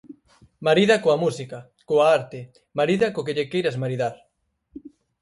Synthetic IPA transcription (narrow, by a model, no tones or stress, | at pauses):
maɾiðɐkoɐmusikɐ | koaaɾt̪ɪ | maɾiðɐkokeʎɪkejɾɐsmaɾiðaɾ